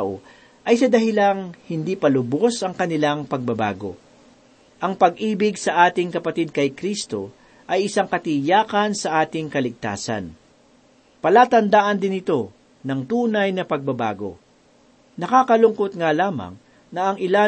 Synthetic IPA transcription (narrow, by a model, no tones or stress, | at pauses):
aʔo̰ | ʔɐjsɐd̪ɐɦɪlaŋhɪnd̪iːpɐlʊbo̞sɐŋkɐnɪlaŋpɐɡ̚bɐba̰ːɡo̞̰ | ʔɐŋpɐɡʔiːbɪɡsɐʔaːt̪ɪŋkɐpɐt̪ɪd̪̚kɐjkɾist̪o̞ | ʔɐjʔɪsaŋkɐt̪ɪjaːkɐnsɐʔaːt̪ɪŋkɐlɪɡ̚t̪a̰ːsɐ̰n | pɐlaːt̪ɐnd̪aʔɐnd̪ɪnɪt̪o̞ | nɐŋt̪uːnɐjnɐpɐɡ̚bɐba̰ːɡo̞̰ | nɐkaːkɐlʊŋko̞t̪̚ŋalaːmɐ̰ŋ | nɐʔɐŋɪla